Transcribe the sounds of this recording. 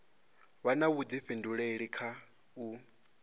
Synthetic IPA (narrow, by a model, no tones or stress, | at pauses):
βanaβud̪iɸinduɺeɺikʰa | u